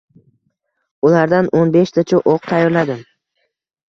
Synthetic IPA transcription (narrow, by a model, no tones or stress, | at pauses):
ʊlaɾd̪anʔonbeʃt̪ʰat͡ʃʰʊʔoq̚t̪ʰajɒɾlad̪ɪm